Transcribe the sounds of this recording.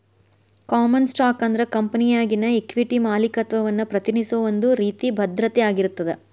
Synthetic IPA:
kaːmɐnsʈaːkɐnd̪ɐɾekɐmpɐnijaːɡinɐekʋiʈimaːlikɐt̪ʋɐʋɐnːupɾɐt̪inisuʋɐnd̪uɾiːt̪ibʱɐd̪ɾɐt̪ɛjaːɡiɾut̪ːɐd̪e

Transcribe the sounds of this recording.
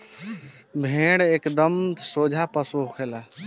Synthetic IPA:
bʱeɽekd̪əmt̪sod͡ʒʱapəsuɦkʰela

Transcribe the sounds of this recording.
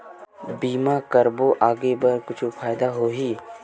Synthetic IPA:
biːmakəɾboʔaːɡebɐɾkʊt͡ʃʰfʰaːjd̪aɦoːɦiː

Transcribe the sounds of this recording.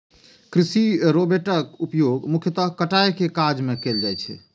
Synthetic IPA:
kɾisiɾobeʈəkupjoɡmukʰjət̪əɦkəʈajkekad͡ʒmekeld͡ʒajt͡ʃʰɛ̰

